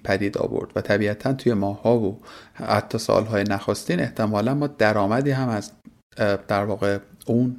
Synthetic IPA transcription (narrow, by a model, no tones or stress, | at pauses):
pʰæd̪iːd̪ɒ̰ːvo̰ɾd̪̥væt̪ʰæbiːæt̪ʰænt̪ʰuːje̞mɒːhːɒːvohæ̰t̪ʰːɒːsɒ̰ːlɦɒːjenæxost̪iːne̞ht̪ʰe̞mɒːlænbɒːd̪æɾɒːmæd̪iːɦæmæz | d̪̥æɾvɒːɣeun